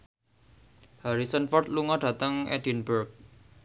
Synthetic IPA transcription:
haɾisənfɔrt̪luŋɔɖ̥ä̤t̪əŋʔɛ̰di̤nbərk̚

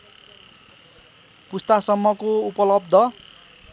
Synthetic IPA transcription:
pust̪asʌmːʌkoupʌlʌbd̪ʱʌ

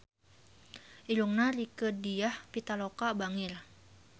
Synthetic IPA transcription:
ʔiluŋnaɾikədiahpit̪alokabaŋɪl

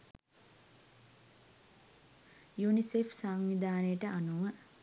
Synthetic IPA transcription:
junisefsaːŋnid̪aːnəjəʈəʔanuʋə

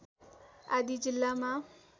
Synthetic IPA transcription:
ad̪id͡ʒɪlːamã

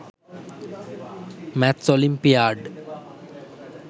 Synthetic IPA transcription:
mæt̪solimpijaːɖ

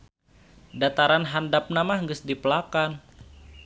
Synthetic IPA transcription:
dat̪aɾanɦandap̚namahŋɡəsdipəlakan

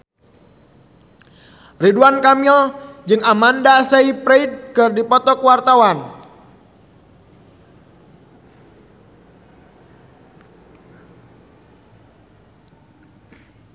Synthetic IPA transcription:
riduankamild͡ʒɨŋamandaseipɾeid̚kɨrdipɔt̪ɔkwart̪awan

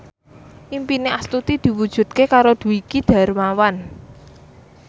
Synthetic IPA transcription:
ʔimpineʔast̪ut̪id̪̥i̤wud̥ʒ̥ṳt̪̚kekaɾod̪̥ṳikid̪̥a̤ɾmawan

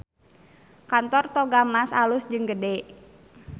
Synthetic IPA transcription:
kant̪ɔrt̪ɔɡamasa̰lʊsd͡ʒɨŋɡədɛʔ

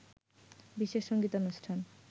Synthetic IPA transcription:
biʃeʃːoŋɡit̪onuʃʈʰan

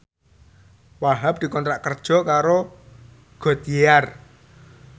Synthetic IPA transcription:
waɦab̚d̪̥i̤kɔnt̪ɾaʔkərd̥ʒ̥ɔ̤kaɾo | ɡ̥ɔt̪ijear

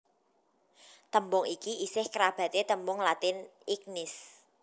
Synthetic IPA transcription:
t̪əmbʊŋikiisɪhkəɾab̥ä̤t̪et̪əmbʊŋlat̪ɪnik̚nɪs

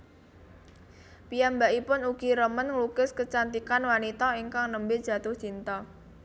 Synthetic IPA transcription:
pijambaʔipʊnuɡ̥iɾəmənŋlukɪskət͡ʃant̪ikanwanit̪ɔiŋkaŋnəmbɪdʒ̥a̤t̪ʊht͡ʃint̪ɔ

